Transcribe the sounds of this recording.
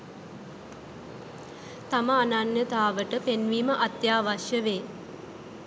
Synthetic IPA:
t̪aməananjət̪aːʋəʈəpenʋiːməʔat̪jaːʋaʃjəʋeː

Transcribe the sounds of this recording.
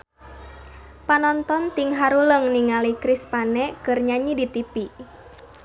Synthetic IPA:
panɔnt̪ɔnt̪iŋɦaɾuləŋniŋalikɾispanɛkɨrɲaɲidit̪ipi

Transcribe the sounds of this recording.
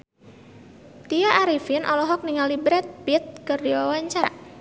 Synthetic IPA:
t̪iaʔaɾifɪnʔɔlɔɦɔk̚niŋalibɾɛt̪̚bit̪̚kərdiwawaɲt͡ʃaʔ

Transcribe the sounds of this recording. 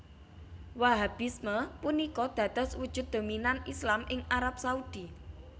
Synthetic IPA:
waɦab̥isməpunikɔd̪̥ä̤d̪̥ɔ̤swud̥ʒ̥ʊ̤t̪̚d̪̥o̤minanislamʔɪŋaɾap̚saud̪̥i

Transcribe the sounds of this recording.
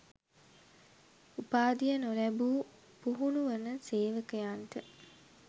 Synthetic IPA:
upaːd̪ijənolæbuː | puɦunuʋənəseːʋəkəjanʈə

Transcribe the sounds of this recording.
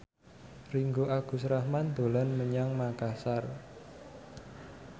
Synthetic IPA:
riŋɡoʔaɡ̥ṳsɾahmand̪̥o̤lanməɲaŋmakasar

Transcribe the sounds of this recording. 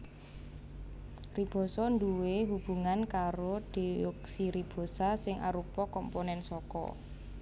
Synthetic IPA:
rib̥ɔ̤sɔnd̪uweɦub̥ṳŋankaɾod̪̥i̤ɔksiɾib̥ɔ̤sasɪŋʔa̰ɾupɔkɔmponɛnsɔkɔ̰

